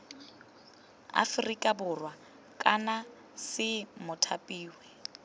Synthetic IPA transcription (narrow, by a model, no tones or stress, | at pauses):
a̰frikʼabʊrwa | kʼana | sɪmʊtʰapʼiːwɛ